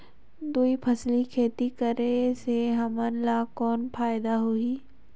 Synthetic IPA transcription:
d̪uipʰəslikʰeːt̪ikəɾeseɦɐmənlakɔːnpʰaːjɪd̪aɦuiː

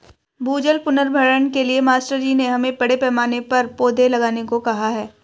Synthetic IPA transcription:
bʱuːd͡ʒəlpʊnəɾbʱəɾəɳkeliemaːsʈəɾd͡ʒiːneɦɐmẽpɐɽepɛːmaːnepɐɾpoːd̪ʱelɐɡaːnekokɐɦaɦɛː

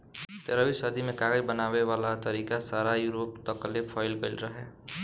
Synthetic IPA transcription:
t̪eɾəbisəd̪ʱimekaɡəd͡ʒbənabeʋalat̪əɾikasaɾajuɾopt̪əklepʰaɪlbelɾəɦe

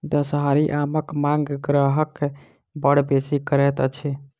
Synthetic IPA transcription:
d̪əsɦaɾiʔaməkmãŋɡɡɾəɦəkː | bəɽbesikəɾɛt̪ət͡ʃʰi

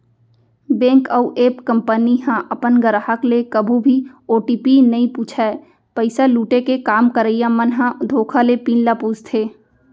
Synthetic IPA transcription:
bẽːŋkəuʔeːpkə̃mpəniɦãʔɐpənɡəɾaɦəklekəbʱũbʱioːʈiːpinɐĩpuːt͡ʃʰaɛ | pəɪsaluːʈekekaːmkəɾəɪjãmənɦãd̪ʱoːkʰalepiːnlapuːd͡ʒt̪ʰeː

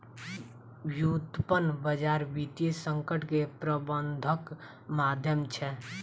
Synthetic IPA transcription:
jut̪pənbəd͡ʒaɾbit̪isəŋkəʈkepɾəbənd̪ʱək | mad̪ʱjəmt͡ʃʰɛ

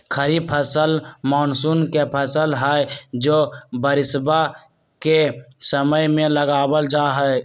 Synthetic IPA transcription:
kʰəɾipʰəsəlmɔːnsuːnkepʰəsəlɦɛd͡ʒoːbəɾɪsba | kesəməjmẽləɡaːbəld͡ʒaɦɛe

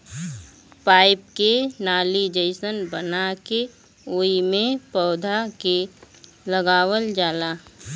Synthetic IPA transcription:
paːɪpkenaːlid͡ʒəɪsənbənake | oːimẽpɔːd̪ʱake | ləɡaːʋəld͡ʒaːla

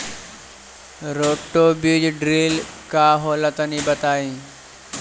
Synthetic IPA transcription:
ɾoːʈːoːbiːd͡ʑɖɾiːlkaːɦoːlət̪əniːbət̪aːĩː

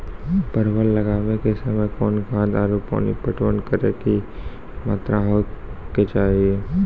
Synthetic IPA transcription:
pəɾwəllɐɡaːnekesɐməjkɔːnkãd̪aːɾupo̰ːnipəʈʰonkəɾeːki | ma̰ːt̪ɾaɦoːket͡ʃaːɦieː

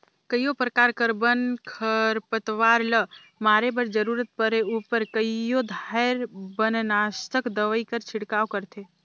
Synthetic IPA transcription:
kəjopɾəkaːɾkəɾbənkʰəɾpət̪ʋaːɾlə | maːɾebəɾd͡ʒəɾuːɾət̪̚pəɾeupəɾkəijod̪ʱaɪɾbənnast̪əkd̪əʋəikəɾt͡ʃʰɪɽkaːkəɾt̪ʰe

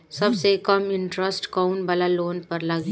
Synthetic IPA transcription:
sɐbsekɐmɪɳʈɾəsʈkaʊnbɐlaloːnpɐɾlɐɡ

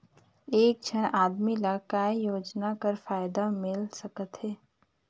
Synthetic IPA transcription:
eːk̚d͡ʒʰʱənʔaːd̪milakaːijoːd͡ʒnakəɾfaːɪd̪amɪlsɐkət̪ɦɛː

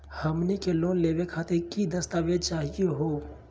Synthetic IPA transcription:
həmnikeloːnleːwekʰaːt̪ekid̪əst̪aːʋet͡ʃaːɦijeɦoː

